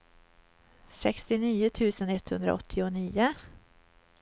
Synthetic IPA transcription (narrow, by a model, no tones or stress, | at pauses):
sɛkst̪ɪniːʊt̪ʰʉ̟ːsənɛt̪ːhɵnd̪ɾa̰ɔt̪ʰːɪʊniːʊ